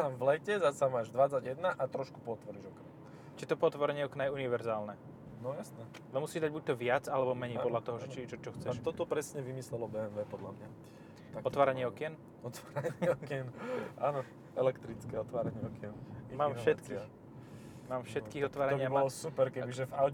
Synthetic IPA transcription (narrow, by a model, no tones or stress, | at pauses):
amvlɛcɛzasamaːʒd̪ʋat͡saɟjɛd̪naʔat̪ɾɔʃku̥pɔɔt̪ʋɔɾiʒɔkna | t͡ʃiɛt̪ɔpɔɔt̪ʋɔɾɛɲɛɔknajɛuniʋɛɾzaːlnɛ | nɔjasnɛ | alɛmusiːd̪aɟ̚buc̚t̪ɔʋɪad͡zalɛbɔmɛɲɛjpɔd̪lat̪ɔɦɔʒɛt͡ʃit͡ʃɔt͡ʃɔxt͡sɛʃt̪ɔt̪ɔpɾɛsɲɛʋimislɛlɔbɛɛnʋɛːpɔd̪lamɲa | t̪aɔtt̪ʋaːɾaɲɪɛɔkɪɛn | ɔt̪ʋaːɾaɲɛɔkɛnaːnɔ | ɛlɛkt̪ɾit͡skɛɔt̪ʋaːɾaɲɪɛɔkɛnmaːmfʃɛt̪ki | maːmfʃɛt̪kiːɣɔt̪ʋaːɾaɲbɲɪaabɔlɔsupɛɾkɛbiʒɛvaw̪